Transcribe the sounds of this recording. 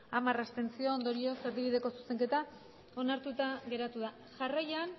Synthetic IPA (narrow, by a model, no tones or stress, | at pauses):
amarast̪e̞nt͡sio̞ːnd̪o̞ɾio̞seɾðiβ̞iðe̞ko̞su̥se̞ŋke̞t̪a | o̞naɾt̪ut̪aɣe̞ɾat̪uða | ʝarajan